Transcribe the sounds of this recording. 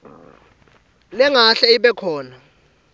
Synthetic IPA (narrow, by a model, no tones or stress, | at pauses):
nɛŋaɬɛiɓɛkʰɔːna